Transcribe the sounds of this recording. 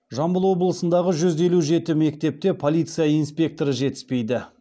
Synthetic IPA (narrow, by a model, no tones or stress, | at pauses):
ʒɑmbəlˠwo̞blˠəsənd̪ɑʁəʒʏze̞luʒe̞t̪ɪme̞k̚t̪e̞p̚t̪e̞pʰolʲˠijt̪sɨjaijnspʲe̞k̚t̪o̞ɾəʒe̞t̪ɪ̥spe̞jd̪ɪ